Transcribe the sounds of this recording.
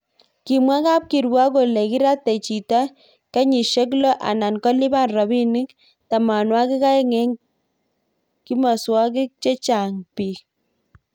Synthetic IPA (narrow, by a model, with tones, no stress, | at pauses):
ki˨mwa˦ka˦p̚ki˨ɾwa˦ko˨le˨ki˦ɾa˦te˨t͡ʃi˨ta˦ | kɛ˦ɲi˨ʃe˦k̬lo˦ʔa̰˨na˨nkɔ˦li˦ba˦˨nra˨bi˦ni˦k | ta˨ma˨nwa˦ki˦ka˦e˦ŋɛ˦ŋ | ki˦ma˨swɔ˦k̬ɪ˦k̚t͡ʃe˦t͡ʃa˨ŋpi˨